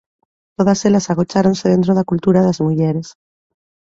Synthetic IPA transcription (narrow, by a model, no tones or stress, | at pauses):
t̪oðaselasaɣ̞ot͡ʃaɾonseð̞ent̪ɾoðakult̪uɾaðazmuʝeɾes